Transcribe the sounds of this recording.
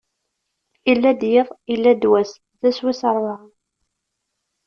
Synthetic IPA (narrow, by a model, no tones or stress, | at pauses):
ilːæd̪jɪðˤilːæd̪wæs | ðæswisəɾˤːʁ